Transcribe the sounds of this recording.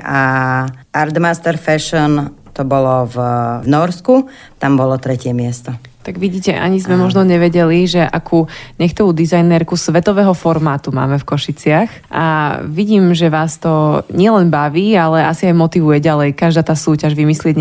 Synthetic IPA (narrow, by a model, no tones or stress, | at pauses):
a | aɾd̪mast̪ɛɾfɛʃɔn | t̪ɔbɔlɔvvnɔɾsku | t̪ambɔlɔt̪ɾɛcɪɛmɪɛst̪ɔt̪aɡʋiɟiːcɛʔa̰ɲizmɛmɔʒnɔɲɛʋɛɟɛliʒɛʔa̰kʰuɲɛxt̪ɔʋuːd̪izajnɛɾkusʋɛt̪ɔʋɛːɦɔfɔɾmaːt̪uma̰ːmɛfkɔʃit͡sɪax | ʔa̰ʋiɟiːmʒɛʋaːst̪ɔɲɪɛlɛnbaʋiːalɛasiajmɔt̪iʋujɛɟalɛjkaʒd̪aːt̪aːsuːcaʒʋimislɪɛɟɲ